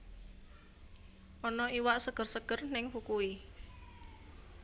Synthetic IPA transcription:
ʔɔnɔiwaʔsəɡ̥ə̤rsəɡ̥ə̤rnɪŋfukui

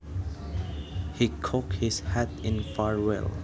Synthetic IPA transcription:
hikʰɔkhɪshætɪ̃nfaɹwɛ̰l

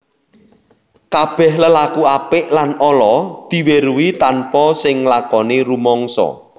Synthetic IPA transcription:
kab̥ɛ̤hləlakuapɪʔlanɔlɔd̪̥i̤weɾuwit̪anpɔsɪŋlakɔneɾumɔŋsɔ̰

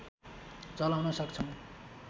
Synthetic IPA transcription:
t͡sʌlawnʌsʌkt͡sʰʌw̃

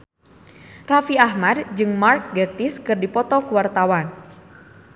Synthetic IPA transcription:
rafiahmadd͡ʒɨŋmark̚ɡət̪iskɨrdipɔt̪ɔkuwart̪awan

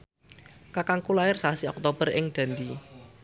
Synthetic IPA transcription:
kakaŋkulaɪrsaasiɔk̚t̪ob̥ərɪŋd̪̥a̤nd̪i

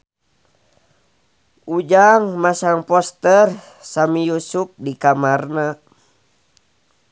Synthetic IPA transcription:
ʔud͡ʒaŋmasaŋpɔst̪ər | samijusup̚dikamarna

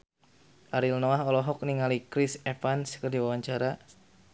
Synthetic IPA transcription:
ʔaɾilnɔaɦɔlɔɦɔk̚niŋalikɾisɛfanskərdiwawaɲt͡ʃaɾa

